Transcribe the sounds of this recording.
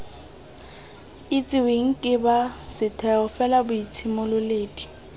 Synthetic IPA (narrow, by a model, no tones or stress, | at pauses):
it͡sʼɪweŋ̩kʼɪbasɪtʰɛʊfɛlabʊit͡sʰɪmʊlʊleːdi̥